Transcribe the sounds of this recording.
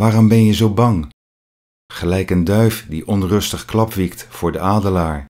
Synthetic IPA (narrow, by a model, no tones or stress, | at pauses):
ʋaːrɔmbɛnjəzowbɑŋ | χəlɛjkəndœɥfdiʔɔnrɵstəχklɑpʋiktfʊːɹdəaːdəlaːɹ